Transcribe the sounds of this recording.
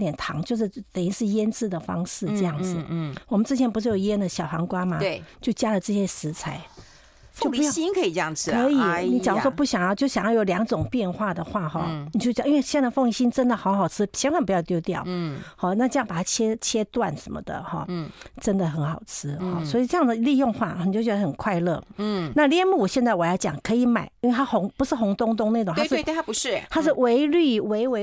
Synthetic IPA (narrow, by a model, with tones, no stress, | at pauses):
t̪jɛ˨˩nt̪ʰɑ̰˧˥ŋt͡ɕjo˥˧ʊʂ̬ɻ̩˥˩t̪ə˨˩i˥ʂɻ̩˥˩jɛ˥nt͡sɹ̩˥˩d̪ə˩fɑ̰˥ŋʂɻ̩˥˩ʈ͡ʂɤ˥˧jɑ˥˩ŋd͡zɹ̩˨˩wɔ˨mə˦nt͡sɻ̩˥t͡ɕʰɛ˧˥npu˧˥ʂɻ̩˥˩jo˨˩˦jɛ˥nd̪ə˨˩ɕjɑ˨˩ʊxɑ˧˥ŋkwa˥ma˨˩t͡ɕjo˥˩ʊt͡ɕja˥lə˨ʈ͡ʂɤ˥˩ɕjɛ˥ʂɻ̩˧˥t͡sʰa˧˥ɪ | o˥˩ʊ˧˦˥ji˥nkʰə˧˥i˨˩ʈ͡ʂjɑ˥˨ŋ̩ʰ˥ə˧˥i˨˩ni˧˥t͡ɕɑ˨ŋ˧˥wɔ˧˥pu˥˩ɕjɑ˨˩ŋjɑ˥˧ʊt͡ɕjo˥˩ʊɕɑ˨˩ŋjɑ˥˩jo˨˥ljɑ˧˥ŋʈ͡ʂʊ˨˩ŋpjɛ˥˧nxwa˥˩d̪ə˩xwa˥˧xɔ̰˥˩ni˨t͡ɕjji˥nwe˥˧ɕjɛ˥ə˧fo˥˧ŋi˧˥ɕi˥nʈ͡ʂə˥nd̪ə˨xɑ˧˥ʊxɑ˨˩ʊʈ͡ʂʰɻ̩˥t͡ɕʰjɛ˧˥nkwa˥˩np̬u˧˥jɑ˥˧ʊt̪jo˥ʊt̪jɑ̰˥˩ʊhɔ˥˨na˥˧ʈ͡ʂɤ˧jɑ˥˩ŋpa˨˩t̪ʰa˥t͡ɕʰjɛ˥t͡ɕʰjɛ˥t̪wa̰˥˩nʂə˧˥mə̰˧d̪ə̰˨xɔ̰˥˩ʈ͡ʂə˦˥nd̪ə˨xə˧˥nxɑ˨˩ʊt͡s̩ʰ˥hɔ˥˧swɔ˧˥i˨˩ʈ͡ʂɤ˥˧jɑ˥˩d̪ə˩˧li˥˧jʊ˥˧ŋxwa̰˥˩˨i˨t͡ɕo˥˩t͡ɕɥɛ˧˥d̪ə˧xə˨˩nkʰwa˥˧ɪlɤ̰˥˩na˥˧ljɛ˥˧mu˥˩wɔ˨˩ɕjɛ˥˧nt͡sa˥˩ɪwɔ˨˩jɑ˥˩t͡ɕjɑ̰˨˩ŋkʰɤ˧˥i˨˧˩ma̰˨˩ɪi˥nwe˧t̪ʰa˥xʊ˧˥ŋpu˧˥ʂɻ̩˥˩xʊ˧˥ŋt̪ʊ˥ŋt̪ʊ˥ŋna˥˩ʈ͡ʂʊ˨˩ŋt̪ʰa˧ʂ̩˥˧˥pu˧ɻ̩˥˨˩t̪ʰa˥ʂɻ̩˥˩we˧˥ɪly˥˩we˧˥ɪwe˧˥